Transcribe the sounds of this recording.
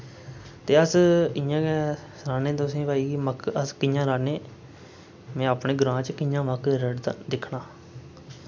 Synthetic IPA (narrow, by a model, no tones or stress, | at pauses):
t̪eːəsɪjãː | ɾaːneːt̪ʊsĩːʋaːiːməkəskɪjãːɾaːneː | mɛ̃ːaːpɳeːɡʊɾãːt͡ʃkɪjãːməkɾəɖ̪d̪ɪkʰɳaː